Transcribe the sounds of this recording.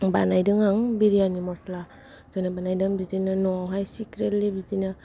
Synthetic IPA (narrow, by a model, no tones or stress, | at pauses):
banajdɯŋaŋbiɾijanimɔsla | zɔnabanajdɯŋbizinɯnɔawɦajsikɾetlibizina